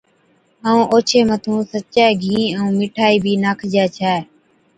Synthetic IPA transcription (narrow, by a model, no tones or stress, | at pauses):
aːũːʔoːt͡ʃʰeːmət̪ʰũːsətt͡ʃaːiːɡʱĩːəũːmɪʈʰaːiːbʱiːnaːkʰd͡ʒaːt͡ʃʰaː